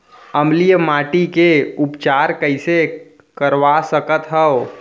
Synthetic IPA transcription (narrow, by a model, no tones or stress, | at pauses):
əmlijəmaʈikeupt͡ʃaɾkəɪse | kəɾʋasəkət̪ɦɛo